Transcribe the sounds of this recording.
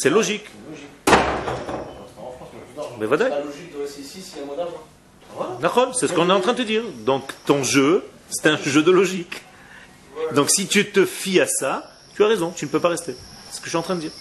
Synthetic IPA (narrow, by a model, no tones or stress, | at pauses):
sɛlɔʒik | fɑ̃bɛvwazaikd̪sisiɛ̃mwad̪aʒɔ̃ | anaχɔlsɛsəkɔ̃nɛɑ̃t̪χɛ̃d̪ət̪əd̪iːʁd̪ɔ̃kt̪ɔ̃ʒø | sɛ̥t̪ɛ̃ʒød̪əlɔʒik | d̪ɔ̃ksit̪yt̪əfiasa | t̪yaʁezɔ̃t̪ynəpøpaʁɛst̪eɛsə̥kəʃɥiɑ̃t̪χɛ̃d̪əd̪iːʁ